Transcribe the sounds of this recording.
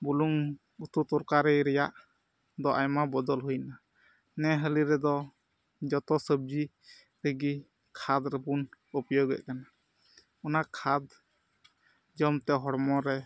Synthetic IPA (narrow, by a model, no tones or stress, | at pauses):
buluŋ | ut̪ut̪uɾkaɾɛjɾɛjaʔ | d̪ɔʔajmabɔd̪ɔlɦujna | nɛɦəliɾɛd̪ɔ | d͡ʒɔt̪ɔsəb̚d͡ʒi | ɾəɡi | kʰad̪ɾɛbunəpjɔɡɛ̰ʔ̚kana | ɔnakʰad̪ | d͡ʒɔmt̪ɛɦɔɽmɔɾɛ